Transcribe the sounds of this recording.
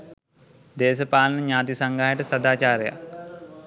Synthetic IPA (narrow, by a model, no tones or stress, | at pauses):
d̪eːsɐpaːlɐnɐɲaːt̪isɐŋɡaɦjeʈɐsɐd̪aːt͡ʃaːɾeja̰k